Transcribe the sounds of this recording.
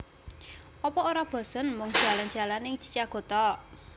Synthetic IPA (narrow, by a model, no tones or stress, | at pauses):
ɔpɔoɾab̥ɔ̤sənmɔŋd̥ʒ̥a̤lan̥d͡ʒ̥a̤lanɪŋd͡ʒ̥i̥̤t͡ʃaɡ̥o̤t̪ɔ